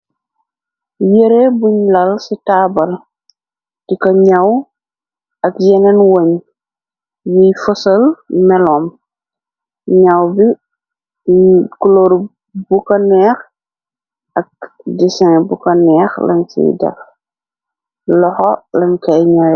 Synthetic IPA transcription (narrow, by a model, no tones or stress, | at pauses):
jeɾebuɲlɐlsitaːbɐl | tikɐɲɐw | ɐkjɛnɛnwoɲ | jijfɔsɐlmɛlɔːm | ɲawbi | kuloɾ | bukɐnɛːx | ʔɐk̚dɛsɛ̃ŋbukɐnɛːxlɐ̰nsḭdɐ̰x | lɔxɔlɐɲkɐjɲawɛ